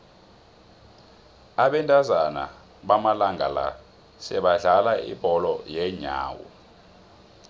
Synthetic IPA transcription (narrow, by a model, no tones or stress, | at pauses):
aɓɛntʼazana̰ | ɓamalaŋɡʱala̰ | sɛɓaɮalaḭb̥ʱɔlɔjɛɲa̰ːwɔ̰